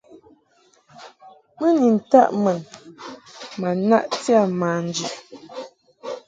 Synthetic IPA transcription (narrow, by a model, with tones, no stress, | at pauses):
mə˦ni˨n̩˨ta̰˦ʔmɛ˨n | ma˨na̰˦ʔtja˦˨maː˨n˨˦d͡ʒi˨ʔ